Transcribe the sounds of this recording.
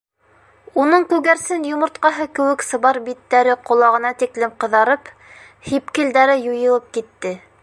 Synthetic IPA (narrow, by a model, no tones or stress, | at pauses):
unɤɴkʉɣæɾsɘnjŏmŏɾt̪̚qɑɦɤkɘ̆wɘ̆ksɤ̆βɑɾbit̪ːæɾɘqŏlˠɑʁɤ̆nɑt̪iklɘmqɤ̆ðɑɾɤp | hipkɘ̆ld̪æɾɘjujɤ̆lˠɤp̚kit̪ːɘ